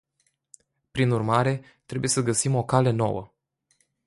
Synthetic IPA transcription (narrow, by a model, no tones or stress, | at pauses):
pɾinurmaɾe̞ | t̪ɾe̞buje̞səɡəsimo̞kale̞no̞̰wə̰